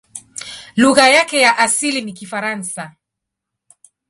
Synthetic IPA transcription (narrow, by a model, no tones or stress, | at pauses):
luɣajakɛjaʔasilinikifaɾansa